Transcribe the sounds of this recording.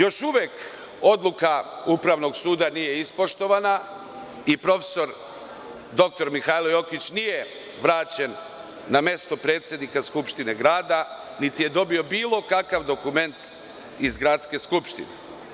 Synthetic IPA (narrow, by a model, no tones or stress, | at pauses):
jo̞ʃuʋjek | o̞d̪lukaupɾaʋno̞ɡsuːd̪anije̞ispo̞ʃt̪o̞ʋana | ipɾo̞feso̞ɾ | d̪o̞k̚t̪o̞ɾmixajlojo̞kit͡ɕnije̞ | ʋɾaːt͡ɕe̞nː | amje̞st̪o̞pɾe̞ːt̪sje̞d̪nikaskupʃt̪ine̞ɡɾaːd̪a | nit̪ije̞d̪o̞bio̞biːlˠo̞kakaʋd̪o̞kume̞nt̪ | izɡɾat̪ske̞skupʃt̪ḭnḛ